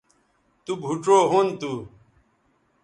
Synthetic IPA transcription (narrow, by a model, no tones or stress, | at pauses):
t̪ubʱuʈɾoːɦoːnt̪uː